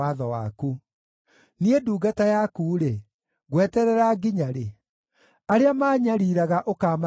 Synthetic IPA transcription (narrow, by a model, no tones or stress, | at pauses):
aðɔwa̰ku | nieduːɡatajakuːɾe | ɣwɛtɛɾɛɾaɡiɲaɾe | aɾeamaːɲaɾiɾaɣaʔokaːma